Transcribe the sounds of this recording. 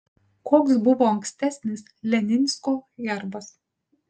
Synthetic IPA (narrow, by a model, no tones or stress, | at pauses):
koːks̬bʊʋoːɐŋksʲt̪ʲæsʲnʲɪs | lʲɛnʲɪnʲsʲkoːjɛɾbɐs